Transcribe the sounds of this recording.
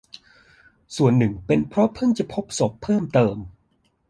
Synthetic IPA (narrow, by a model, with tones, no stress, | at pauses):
su˨˩ənːɯ˨˩ŋpe˧npʰɾɔ˦˥pʰɤ˥˩ŋt͡ɕa˨˩pʰo˦˥p̚so˨˩pʰːɤː˥˩mt̪ɤː˧m